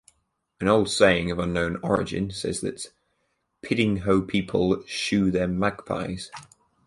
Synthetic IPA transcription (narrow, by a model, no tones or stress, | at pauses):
ə̃ñoʊlˠd̥seɪɪ̃ŋəvʌ̃nːõʊ̃nɒ̰ɹɪ̰d͡ʒɪ̰̃nsɛ̰zðət | pʰɪdɪ̃ŋɦoʊpʰiˑpʰə̰lˠʃʉːðəmaɡ̥pʰa̰ɪz̥